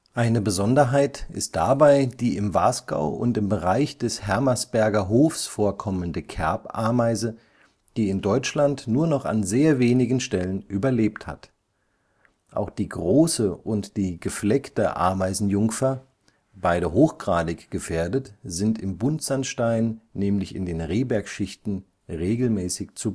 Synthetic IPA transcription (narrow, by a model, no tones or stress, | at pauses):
ʔaɪnəbəzɔndɐɦaɪtɪ̰st̚d̥abaɪd̥iːɪmvaːsɡ̥a̰ʊʔʊ̰ntɪmbəʁaɪçd̥ɛshɛɐmasb̥ɛɐɡɐɦoːfsfoːɐkʰɔməndəkʰɛɐpʔa̰ːɐmaɪzə | d̥iːɪndɔʏt͡ʃlantnuːɐnɔχa̰nzeːɐveːnɪɡn̩ʃtɛlənʔyːbɐleːptha̰t | ʔa̰ʊxd̥iːɡʁoːsəʔʊntd̥iːɡəflɛktəʔa̰ɐmaɪzn̩jʊŋfɐ | b̥aɪɾəɦoːxɡ̥ʁaːdɪçɡ̥əfeːɐdətz̥ɪntɪmbʊntz̥anʃtaɪnːɛːmlɪçɪ̰ndeːnʁeːbɛɐkʃɪçtn̩ | ʁeːɡl̩mɛːsɪçt͡sub